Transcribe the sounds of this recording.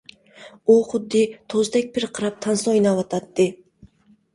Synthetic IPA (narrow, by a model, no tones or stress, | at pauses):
uχʊd̪ːɪt̪ʰozd̪ak̚ʲbɪɾqʰɨɾap̚t̪ʰansɔjnavat̪ʰat̪ːɪ